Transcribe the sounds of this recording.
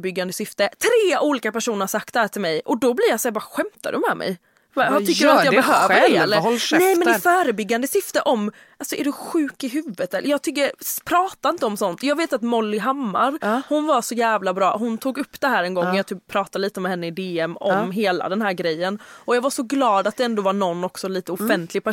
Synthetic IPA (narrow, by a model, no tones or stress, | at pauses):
bʏɡːand̪əsʏft̪ət̪ʰɾeːuːliːkapæʂuːnəɾʂakt̪̚ɛhæːʈʰɪlmɛjʔɔd̪ɔbliɾjasɛbɑːɾɧɛmt̪a̰d̪ɵmɛmɛ̰j | vaʏkːədajɑɡbɛɦøːvəɾɛeːlnɛjmɛnɛfœːɾəbʏɡːand̪əsʏft̪əʔɔm | ʔalsɔʔɛɖɵɧʉ̟ːkɪɦʉ̟ːvət̪ʰɛʔjɑːɡt̪ʰʏkːəɾpʰɾɑːt̪aɪnt̪əɔmsɔnt̪jɑːɡveːt̪at̪mɔlːɪɦamːa̰ɾhʊnvaʂɔjæːvlabɾɑːɦʊnt̪ʰuːɡɵpːd̪̥ɛɦæːɾɛnɡɔŋːɛjɑt̪yːppʰːɾɑːt̪aliːt̪əɔmɛhɛnːəɪd̪eːɛmɔ̰mɦeːla̰d̪ɛnɦæːɾɡɾɛjːənɔjɑːɡvaʂɔɡlɑːd̪at̪̚d̪ɛɛnd̪oːvanɔnːɔksɔliːt̪əʊfɛnt̪ʰlɪɡ̚pʰæ